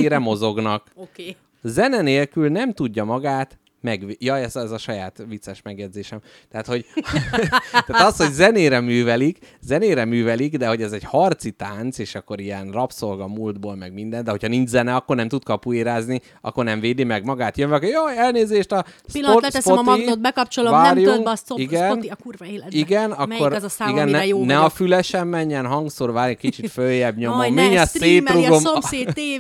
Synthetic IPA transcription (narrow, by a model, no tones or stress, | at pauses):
ɾɛmo̞zo̞ɡnɒkkː | zɛnɛneːlkylnɛmt̪uɟːɒmɒɡaːt̪ | mɛɡʋjɒɛzɛzɒʃɒjaːt̪vit̪sɛʃmɛɡjɛd̪zeːʃɛm | t̪ɛat̪ho̞ɟ | t̪aːt̪ɒsho̞ɟzɛneːɾɛmyːvɛlikzɛneːɾɛmyːvɛliɡd̪ɛho̞ɟɛzɛɟhɒrt̪sit̪aːnt̪seːʃɒkːo̞ɾijɛnrɒpso̞lɡɒmuld̪boːlmɛɡmind̪ɛnd̪ɛɦo̞cʰhɒniɲd͡ʒzɛnɛɒkːornɛmt̪ut̪kɒpueːɾaːzni | ɒ̰kːo̞rnɛɱveːd̪imɛɡmɒɡaːt̪jøɱvɛɒkːoɾjoɛlneːzeːʃt̪ɒspilːoɛspoɒiod̪bɛkɒp̚t͡ʃolovaːɾjuŋkiɡɛnnikurvɒeːlɛiɡɛnɒkːorzsaːiɡɛnːɛjnɛɒfylɛʃɛmːɛɲːɛnɦɒŋɡsoːrvaːɾjɛkit͡ʃit̪føjːɛbɲomomːiɲɒseːtɾuɡomoːe